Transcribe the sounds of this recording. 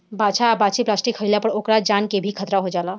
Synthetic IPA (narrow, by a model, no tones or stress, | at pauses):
bat͡ʃʰaːbat͡ʃiplaːsʈikɦəjlapəɾokɾad͡ʒankebʱikʰət̪ɾaɦod͡ʒaːla